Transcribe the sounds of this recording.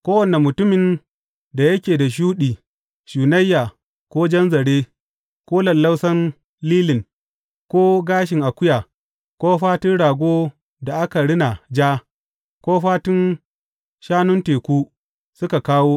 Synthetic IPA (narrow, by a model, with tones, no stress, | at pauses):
kʷoː˦wɐ˨ne˨mʊ˨tʊ˦mɪ˨n | da˨jɐ˦kʲeː˨da˨ʃ̬uː˦ɗiː˨ | ʃuː˨nɐ˦jːaː˨ | kʷoː˦d͡ʒɐ˦nzɐ˨ɽeː˦ | kʷoː˦lɐ˨lːɐ˦wsɐ˦n | liː˦lɪ˨ŋ | kʷoː˦ɡaː˦ʃ̬ɪ˨ŋʔa˨kʷʊ˦jaː˨ | kʷoː˦ɸaː˦tʊ˦nɽaː˨ɡʷoː˦ | da˨ʔa˦ka˨ɽɪ˦na˨d͡ʒaː˦ | kʷoː˦ɸaː˦tʊ˦n | ʃaː˦nʊ˦nteː˨kʷuː˦ | sʊ˦ka˨kaː˦woː˦